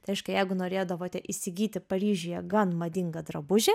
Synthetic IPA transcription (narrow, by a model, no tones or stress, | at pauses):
t̪ɪɛɪʃkɐjɛɪɡʊnoːɾʲeːd̪ɐʋoːt̪ʲɛʔɪsʲɪɡʲiːt̪ʲɪpɐɾʲiːʒʲɪjɛɡɐnmɐd̪ʲɪŋɡɐd̪ɾɐbʊʒʲɛ